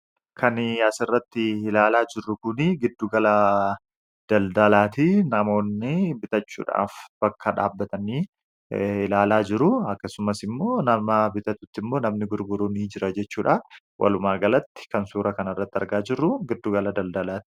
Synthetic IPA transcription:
kʰɐnɐsɪrːɐt̪ːɪɪlaːlaːd͡ʒɪrːʊkʊnɪɡɪd̪ːuːɡɐla | d̪̥ɐld̪ɐlaːt̪ɪnɐmo̞ːnːɪbɪt̪ɐt͡ʃːṵːᶑa̰ːfb̥ɐkːɐᶑaːbːɐt̪ɐniː | ɪlaːlaːd͡ʒɪɾʊɐkːɐsʊmɐsɪmːo̞ːnɐmɐbɪt̪ɐt̪ʊt̪ːɪmːo̞ːnɐmnɪɡʊɾɡʊɾuːniːd͡ʒɪɾɐd͡ʒɛt͡ʃːuːᶑaː | wʔɐ̰lʊmaːɡɐlɐt̪ːɪ̥kɐnsuːɾɐkɐnɐrːɐt̪ːɪɐ̰ɾɡaːd͡ʒɪrːʊɡɪd̪ːuɡɐlɐd̪ɐld̪ɐlaːt̪ɪ̥

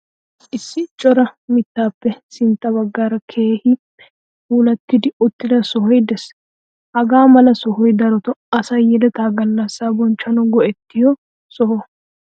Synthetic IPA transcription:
ʔɪsːɪt͡ʃʼɔɾɐmɪt̪ːaːpːɛsɪnt̪ːɐbɐɡːaːɾɐkʰe̞ːhɪ | huːlɐt̪ːɪd̪ɪʊt̪ːɪd̪ɐsɔhɔjd̪ɛs | hɐɡaːmɐlɐsɔhɔjd̪ɐɾɔt̪ɔɐsɐjɛd̪ɛt̪aːɡɐnːasːaːbɔnt͡ʃːɐnɔɡɔʔɛt̪ːɪjɔ | sɔhɔ

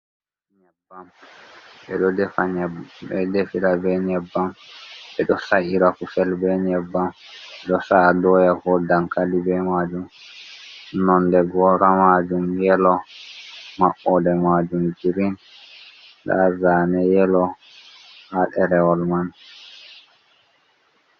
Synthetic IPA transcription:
ɲɛbːam | ɓɛɗɔdɛfaɲɛbbɛdefiɾabɛɲɛbːamɓɛɗɔsaʔiɾafufɛlbɛɲɛbːam | ɛɗɔsadɔjakɔdaŋkalibɛmad͡ʒum | nɔndɛɡɔɾamad͡ʒumjɛlɔ | maʔɔdɛmad͡ʒumd͡ʒiɾin | ɗa̰zaːnɛjɛlɔ | haɗɛɾɛwɔlman

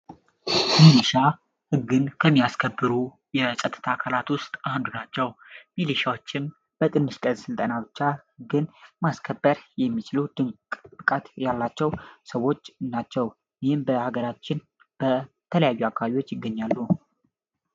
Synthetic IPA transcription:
miliʃa | hɨɡːɨnkʰəmːijaskʰəbːɨɾu | jɛsʼət̪ʼɨt̪ʰakʰalat̪wʊst̪ʼand̪unat͡ʃːɛwmiliʃawo̞t͡ʃːɪn | b̥ət̪ʼɨnːɨʃt̪ʼəzsɨlt̪ʼənabɨt͡ʃːahɨɡːɨnmaskʰəbːəɾjɛmːit͡ʃɪlud̪̥ɨŋk̪ʼɨkʼat̪jalːat͡ʃːɛwsəwo̞t͡ʃːnat͡ʃːɛw | jɪhɪmbəhaɡəɾat͡ʃːɪn | b̥ə | t̪ʰələjajːuakʰːaβaβiwo̞t͡ʃːjɪɡːəɲːalːu

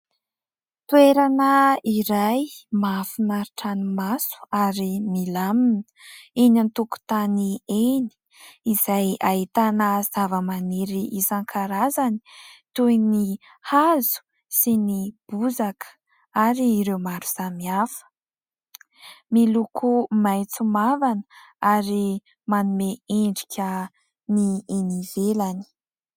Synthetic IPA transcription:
t̪ueɾanəiɾajmafunaɾiʈ͡ʂanimasu̥aɾimilaminə̥ | inant̪uku̥t̪anieni̥ | izajaɦit̪anəz̥avəmaniɾiʔizaŋkʰaɾazani̥t̪ujni | hazu̥ | sinib̥uzakə̥ | aɾiːɾewmaɾuz̥amiafə̥ | milukʰumajt͡sumavanə̥aɾi | manumeeɳɖ͡ʐikʲʰə | nienivelani̥

